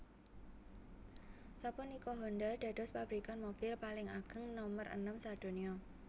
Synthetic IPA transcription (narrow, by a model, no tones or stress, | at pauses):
sapʊnikɔɦɔnd̪ad̪̥a̤d̥ɔ̤spab̥ɾikanmob̥ɪlpalɪŋaɡ̥ə̤ŋnɔmərʔə̰nəmsad̪̥o̤niɔ